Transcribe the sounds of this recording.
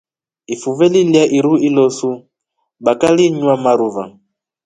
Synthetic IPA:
ifuvɛliljaʔiɾuilɔsu | bakaliɲwamaɾuva

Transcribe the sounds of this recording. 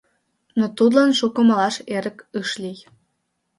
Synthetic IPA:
not̪ud̪lɑnʃukə̆məlɑʃeɾə̆kɯʃlij

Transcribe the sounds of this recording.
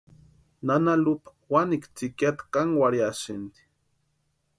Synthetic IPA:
nanalupḁ | wanikt͡sikʲjat̪kaŋwaɾjasind̪i̥

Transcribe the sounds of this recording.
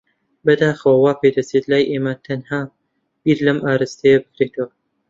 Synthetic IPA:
bɐd̪aːxɐwɐwaːpʰed̪ɐt͡set̪laːjʔeːmɐt̪ʰɐnhaː | b̥iːɾlɐmʔaːɾɨst̪ʰɐjɐbɨkɾeːt̪ʰɐwɐ

